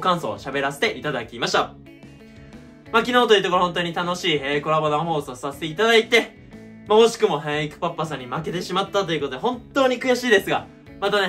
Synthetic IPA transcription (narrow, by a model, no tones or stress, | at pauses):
kãɰ̃so̞̰ːɕabe̞ɾase̥t̪eʔit̪ad̪akʲimaɕi̥t̪a | makʲinoːt̪ojiɯ̟t̪okoɾohõ̞nt̪oːɲ̟it̪ano̞ɕiːeko̞ɾabonãɦo̞ːsɨosase̥t̪e̞it̪ad̪ait̪e̞ | maoɕi̥kɯ̟mo̞ɦẽɰ̃ikɯ̟̥papːasãɲ̟ːimake̞t̪e̞ɕimat̪ːat̪o̞jiɯ̟kot̪oeɦõ̞nt̪o̞ːɲ̟ikɯ̟jaɕiːd̪e̞sɨɡa | mat̪ane̞